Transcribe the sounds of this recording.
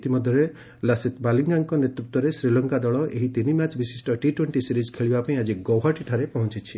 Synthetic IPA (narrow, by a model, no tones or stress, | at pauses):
t̪imɔd̪ʱjɔɾe | lasit̪baliŋɡaŋkɔnet̪ɾut̪wɔɾesɾilɔŋkad̪ɔɭɔʔeɦit̪inimat͡ʃbisisʈɔʈiʈweɳʈisiɾid͡ʒkʰeɭibapaĩad͡ʒiɡɔwɦaʈiʈʰaɾepɔɦɔ̃t͡ʃit͡ʃʰi